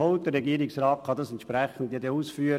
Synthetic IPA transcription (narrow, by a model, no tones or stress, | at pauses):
oʊtdəɾɛɡiːɾɪksɾɑːt̚kʰɑd̪ɑsɛnt̪ʃpɾɛχən̩d̪jed̪əuːsfyːɾ